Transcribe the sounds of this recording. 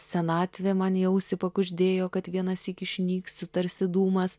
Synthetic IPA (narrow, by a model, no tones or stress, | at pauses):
sʲɛnɑːt̪ʲʋʲeːmɐnjɛʊsʲɪpɐkʊʒʲd̪ʲeːjoːkɐt̪ʋʲiɛnɐsiːkʲɪʃʲnʲiːkssʊt̪ɐɾʲsʲɪd̪uːmɐs